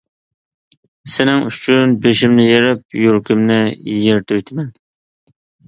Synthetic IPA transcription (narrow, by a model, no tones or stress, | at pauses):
sɪnɪŋyt͡ʃʰynbeʃɪmnɪjeɾɪp̚juɾkʲɪmnɪjeɾt̪ʰøwjt̪ʰɪmɛn